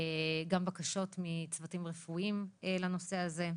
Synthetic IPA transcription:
ɡambakaʃo̞tmit͡svatimʁefuimelano̞se̞aze̞

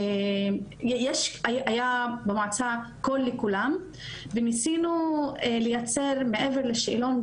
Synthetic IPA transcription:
jjeʃajajabemat͡sakolːekulam | venisinuelejat͡seʁmeʔeveʁleʃilon

